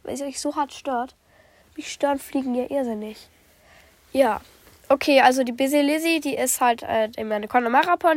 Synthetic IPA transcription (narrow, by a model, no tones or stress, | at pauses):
va̰ɪçz̥oɦaɐtʃtøːɐt | mɪçʃtøːɐnfliːɡŋ̩jaːʔɪɐzɪnɪç | jaː | ʔokʰeːʔalzodiːbɪzilɪzidiːʔɪsthaltʔɛːɪmjanəkʰɔnamaʁapʰɔn